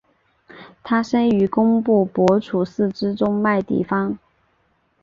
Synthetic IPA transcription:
t̪ʰa˥ʂə˥ny˧˥kʊ˥ŋpu˥˩pwɔ˧˥ʈ͡ʂʰu˨˩sɹ̩˥˩ʈ͡ʂɻ̩˥ʈ͡ʂʊ˥ŋma˥˧ɪt̪ḭ˥˩fɑ˥ŋ

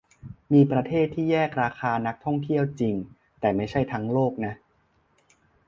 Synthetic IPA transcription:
miː˧pɾa˧t̪ʰeː˥˩t̪ʰːiː˥˩jɛː˥˩k̚ɾaː˧kʰaː˧na˦˥k̚t̪ʰɔ˥˩ŋt̪ʰi˥˩əwt͡ɕi˧ŋ | t̪ɛː˨˩ma˥˩jt͡ɕʰa˥˩jt̪ʰa˦˥ŋloː˥˩k̚na˦˥ʔ

